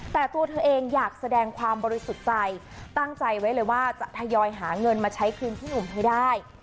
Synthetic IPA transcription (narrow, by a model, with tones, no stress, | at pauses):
t̪ɛː˨˩t̪u˧ət̪ʰɤː˧ʔeː˧ŋjaː˨˩k̚sa˧dɛː˧ŋkʰwaː˧mbɔː˧ɾi˧˦˥su˨˩t̪̚t͡ɕa˧j | t̪a˥˩ŋt͡ɕa˧jwa˦˥jlɤː˧jwaː˥˩t͡ɕa˨˩ʔt̪ʰa˧jɔː˧jɦaː˩˦ŋɤ˧nmaː˧t͡ɕʰa˦˥jkʰɯː˧nt̪ʰiː˥˩nu˨˩mɦa˦˥˩jdaː˥˩j